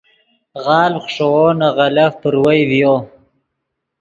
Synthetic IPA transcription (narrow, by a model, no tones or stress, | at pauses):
ʁɑːlχʂowonaʁalafpəɾwajvjo